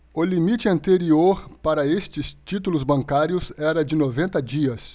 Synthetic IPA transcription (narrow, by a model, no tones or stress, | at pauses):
ʊlimit͡ʃɪɐ̃nt̪eɾioɾpaɾɐest͡ʃɪst͡ʃit̪ulʊzbɐ̃ŋkaɾjʊsɛɾɐd͡ʒɪnovẽnt̪ɐd͡ʒiɐs